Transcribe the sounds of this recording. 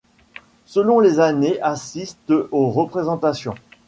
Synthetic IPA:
səlɔ̃lezaneʔasist̪oʁəpχezɑ̃t̪asjɔ̃

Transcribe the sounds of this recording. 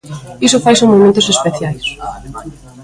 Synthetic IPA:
isʊfajsoŋmomẽnt̪ʊsespeθjajs

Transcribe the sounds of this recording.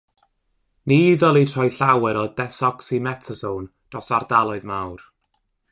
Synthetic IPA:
niːðɔlˠirʰɔɨɬawɛɾɔdɛsɔksimɛtʰəsownd̥rɔsardalˠɔɨðmawr

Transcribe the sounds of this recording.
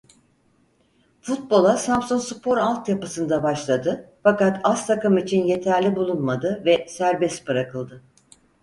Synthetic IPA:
fut̪̚bo̞lˠasamsonspʰo̞ɾalˠt̪japɯsɯnd̪abaʃlˠad̪ɯfakat̪ʰast̪ʰakɯmit͡ʃʰinje̞t̪ʰæɾlʲibulˠunmad̪ɯvɛsæɾbɛsbɯɾakɯlˠd̪ɯ

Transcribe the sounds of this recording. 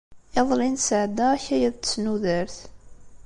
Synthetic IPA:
eðˤlinsəʕd̪æçæjæðt̪snuðəɾθ

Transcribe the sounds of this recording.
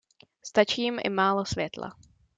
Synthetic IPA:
st̪at͡ʃiːmʔɪ̰maːlosvjɛt̪la̰

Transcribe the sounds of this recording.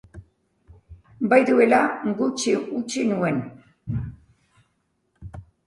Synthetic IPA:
bajðue̞laɡut͡ʃiʔut͡ʃinue̞n

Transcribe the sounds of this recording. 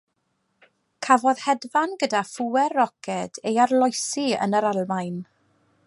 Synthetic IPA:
kʰavɔðhɛdvanɡədafuɛrɔkʰɛd̥ejarlˠɔjsiə̰nəɾalˠmajn

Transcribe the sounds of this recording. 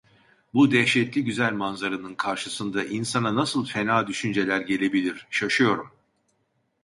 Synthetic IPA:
bud̪ɛçʃɛt̪lʲiɟyzælʲmanzaɾɯnɯnkʰaɾʃɯsɯnd̪aʔinsananasɯlˠfe̞naːd̪yʃynd͡ʒe̞lʲæɾɟe̞lʲe̞bilʲiɾ̥ʃaʃɯjo̞ɾum

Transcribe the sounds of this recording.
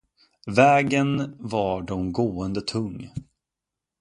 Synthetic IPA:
vɛːɡənvɑɖɔmɡoːənd̪ət̪ʰɵŋː

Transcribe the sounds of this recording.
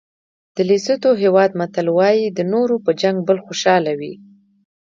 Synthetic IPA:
d̪̥əlisət̪oɦewɑd̪mat̪alwɑjid̪ənoɾopəd͡ʒaŋɡ̚bəlxoʃɑlawi

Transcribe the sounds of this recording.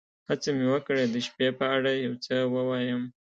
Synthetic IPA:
hat͡səmewəkɽed̪əʃpepəaɽajawt͡səwəwɑjəm

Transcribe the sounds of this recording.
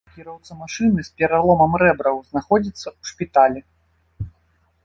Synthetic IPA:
kʲiɾɐwt̪sɐmaʂɨnɨspʲɛɾalˠɔmɐmɾɛbɾɐwznaxɔd͡zʲit̪sːɐuʂpʲit̪alʲɛ

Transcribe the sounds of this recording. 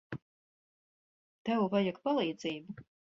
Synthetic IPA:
t̪ɛwvajakpalˠiːd̪ziːbu

